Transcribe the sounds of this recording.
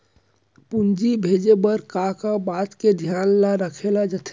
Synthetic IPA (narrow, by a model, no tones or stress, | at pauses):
pund͡ʒibʱed͡ʒebəɾkakabaːt̪ked̪ʱjanlaɾəkʰelad͡ʒət̪ʰ